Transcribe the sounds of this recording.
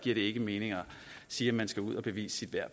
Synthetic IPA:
ɡ̥iɐ̰ɾe̝e̝ɡ̥əme̝ːne̝ŋɐ | siːæmænsɡ̥æuð̞̰ˠɒ̽b̥e̝ʋḭːsə̥sid̥ʋæɐ̰̥

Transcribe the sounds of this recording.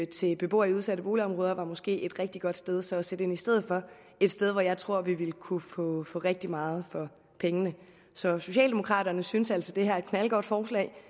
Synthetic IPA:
t͡sʰe̝lb̥e̝b̥o̝̰ːɐiuð̞ˠsæɾ̥əb̥o̝ːliɒ̽mʁɔ̽ːð̞ˠɐʋɑ̈mɒ̽sɡ̥e̝̰ːe̝d̥ʁeɡ̥̚d̥iɡ̥ɒ̽d̥sd̥eð̞ˠsɒ̽sed̥əe̝nisd̥eð̞̰̩ˠfɒ̽ | e̝d̥sd̥eð̞ˠʋɒjɑ̈ɪt͡sʰʁo̝ɐ̰ʋiʋe̝lkʰufɔ̰fɔ̰̽ːʁeɡ̥̚d̥imɑ̈ːð̞̩ˠfɒ̽ | pʰeŋənə | sɒ̽so̝ɕɛ̰ːld̥e̝mo̝kʰʁɑ̰̈ːd̥ɐnəsynsæl̰sɒd̥e̝hæɐ̰e̝d̥̚kʰnælɡ̥ɒ̰ːd̥fɒːslɛ̰ɪ

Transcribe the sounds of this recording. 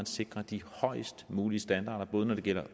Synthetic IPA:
ænse̝ɡ̥ʁɐd̥ihɒ̽ɪ̰sd̥muːliəsd̥ænd̥ɑ̈ːɾ̥ɐb̥ɔ̽ːð̞̩ˠənɒɾ̥e̝ɡ̥el̰ɐ

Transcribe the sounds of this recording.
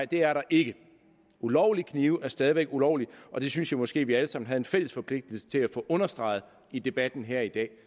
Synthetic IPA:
ɪd̥e̝æɐɾɑ̈ʔe̝ɡ̥ə | ulɒʊlikʰniːʊʔæɐsd̥ɛːð̞ˠiʋeɡ̥ulɒʊ̰liɒ̽d̥e̝synsjɑɪmɒ̽sɡ̥e̝̰ːʋiæləsɑ̈mn̩ɦæðˠenfel̰əsfɒ̽pʰle̝ɡ̥̚d̥l̩sə̥t͡sʰe̝læfɔ̽ʔɔ̽nɐsd̥ʁɑ̈ɪð̞̩ˠ | id̥e̝b̥æd̥n̩ɦæɐ̰id̥ɛ̰ː

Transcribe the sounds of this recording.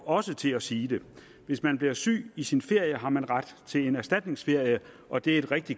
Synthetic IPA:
ɒ̽sət͡sʰe̝læsiːd̥e̝ | ʋe̝smænb̥liɐsy̰ːisinfe̝ɐ̰jəɦɑ̈mænʁɑd̥t͡sʰe̝le̝næɐsd̥æd̥ne̝ŋsfe̝ɐ̰jə | ʔɒ̽d̥e̝æɐe̝d̥ʁɛɡ̥̚d̥i

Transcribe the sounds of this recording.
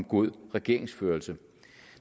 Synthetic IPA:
mɡ̥o̝ð̰ˠʁɛɡ̥e̝ɐ̰e̝ŋsføːɐlsə

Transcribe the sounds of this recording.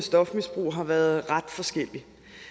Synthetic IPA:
əsd̥ɒ̽fmisb̥ʁṵːɦɑ̈ʋæːɐð̞ˠʁɑ̈d̥fɒ̽sɡ̥el̰i

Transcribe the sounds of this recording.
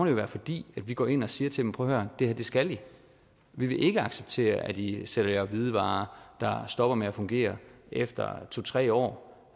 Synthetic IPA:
d̥ejoʋæːɐfɒ̽d̥ḭːæd̥ʋiɡ̥ɒ̰ːe̝n̰ɒ̽siːɐt͡sʰed̥empʰɒ̽hɶɐ̰nd̥e̝hæd̥e̝sɡ̥æli | ʋiʋe̝ʔe̝ɡ̥əɑ̈ɡ̥seb̥̚t͡sʰe̝̰ːɐæd̥iseɾ̥ɐjæʋið̞ˠəʋɑ̈ːd̥ɑ̈sd̥ɒ̽b̥ɐmeæfɔ̽ŋɡ̥e̝̰ːɐefd̥ɐ̰t͡sʰo̝t͡sʰʁɛ̰ːɒ̰ː

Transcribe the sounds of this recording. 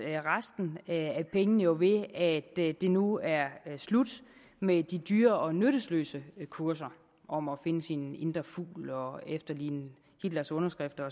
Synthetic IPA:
ʁasd̥n̩æpʰeŋənəjo̝ʋe̝æd̥d̥e̝nuæɐslud̥ | med̥id̥yːɐɒ̽nøɾ̥əslø̰ːsəkʰuɐs̬ɐ | ʔɒ̽mɒ̽fe̝nəsine̝nd̥ʁɐfṵːlɒ̽efd̥ɐlḭːnə | hid̥lɐsɔ̽nɐsɡ̥ʁɛfd̥ɐɒ

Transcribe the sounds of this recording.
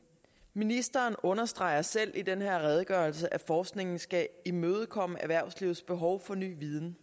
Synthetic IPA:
minisd̥ɐːnɔ̽nɐsd̥ʁɑ̈ɪɐsel̰id̥enɦe̝ɐ̰ʁɛð̞ˠɡ̥ɶɐlsəʔæfɒːsɡ̥ne̝ŋn̩sɡ̥æimøːð̞̩ˠkʰɒ̽m̰əʔæʋæɐ̰sliʊð̩ˠsb̥e̝ɦɒʊfɒ̽ny̰ːʋið̞ˠn̩

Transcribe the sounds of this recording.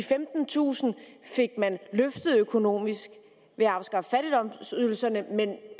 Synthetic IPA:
ifemd̥n̩t͡sʰṵːsn̩fe̝ɡ̥̚mænløfd̥ð̩ˠøkʰo̝no̝̰ːmisɡ̥ | ʋe̝ɑ̈ʊsɡ̥ɑ̈fəfæɾ̥id̥ɒ̽m̰syðˠl̩sɐnəmen

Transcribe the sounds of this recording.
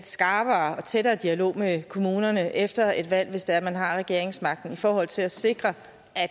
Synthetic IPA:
sɡ̥ɑ̈ːb̥ɐːɒ̽t͡sʰeɾɐːd̥iælo̝̰ːmekʰo̝muːnɐnəʔefd̥ɐe̝d̥ʋæl̰ʋe̝sd̥eæɐmænɦɑ̈ʁɛɡ̥e̝ɐ̰eŋsmɑ̈ɡ̥̚d̥n̩ifɒːhɒ̽l̰t͡sʰe̝læse̝ɡ̥ʁɐ | ʔæ̥

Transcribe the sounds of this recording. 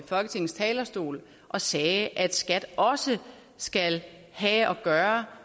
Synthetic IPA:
fɒ̽lɡ̥ət͡sʰe̝ŋn̩st͡sʰɛːlɐsd̥o̝̰ːl | ʔɒ̽sɛːʔæd̥sɡ̥æd̥ɒ̽sə | sɡ̥æl | hɛʔɒ̽ɡ̥ɶːɐ

